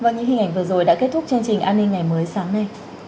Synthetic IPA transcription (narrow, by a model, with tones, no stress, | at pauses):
vaː˨˩ɲɨ̰˧˥ŋhi˨˩ŋ̟ʔa˧˩ŋ̟vɨ˨˩əzo˨˩jɗa̰ː˧˥ke˦˥t̚t̪ʰʊ˦˥k͡p̚t͡ɕɨ˧əŋt͡ɕï˨˩ŋ̟ʔaː˧nːï˧ŋːa˨˩jməː˨˦jsaː˨˦ŋna˨˩j